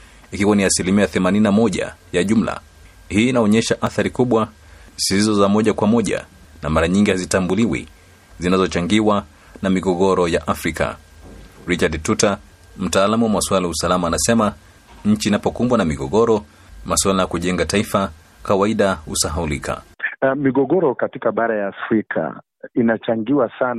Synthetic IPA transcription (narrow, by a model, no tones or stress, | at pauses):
ikiwaniasilimiaaθɛmanininamɔʄa̰jaʄum̩la̰ | hiːnaɔɲɛʃaʔaθaɾikuɓwa | sizɔzamɔʄakwamɔʄa̰ | namaɾaɲiŋɡihazitambuliwḭ | zinazɔt͡ʃaŋɡiwa | namiɡɔɠɔɾɔjaʔafɾikʰa̰ | ɾit͡ʃadtuta | m̩taːlamuwamaswalajausalamaːnasɛma | ɲ̩t͡ʃiːnapɔkumbwanamiɠɔɠɔɾɔ | maswalajakuʄɛŋɡataifa | kawaiɗahusaɦaulikʰa̰miɠɔɠɔɾɔkatikaɓaɾajaːfɾikʰa̰ | inat͡ʃaŋɡiwasana